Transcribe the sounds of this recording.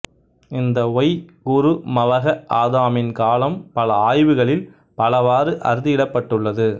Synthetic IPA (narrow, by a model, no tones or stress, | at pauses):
ɪnd̪ɐɔjɡʊɾɯmɐʋɐɣɐʔaːðaːmɪnkaːlɐmpɐlɐaːjʋɯɣɐɭɪl | pɐlɐʋaːɾɯʔɐ̰ɾɯðɪjɪɽɐpːɐʈːɯɭːɐðɯ